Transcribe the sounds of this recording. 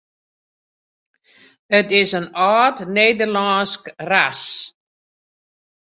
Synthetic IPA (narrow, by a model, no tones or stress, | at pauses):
ətɪsənaːtneːdərlɑːnskras